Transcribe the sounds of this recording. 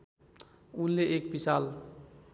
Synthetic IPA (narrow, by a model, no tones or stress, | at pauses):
unleʔek̚bisal